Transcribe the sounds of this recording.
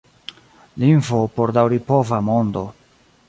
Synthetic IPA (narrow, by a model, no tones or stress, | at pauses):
linvopoɾdawɾipovamo̞ndo̞